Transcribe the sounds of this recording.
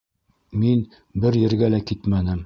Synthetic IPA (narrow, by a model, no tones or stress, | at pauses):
min | bɘɾjɘ̆ɾɡælækit̪mænɘm